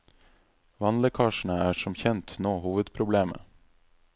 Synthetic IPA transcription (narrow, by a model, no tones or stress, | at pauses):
ʋɑnləkʰɑːʃɳ̩əæːʃɔmçɛnt̪noːhuːʋəd̪pʰɾʊbleːmə̰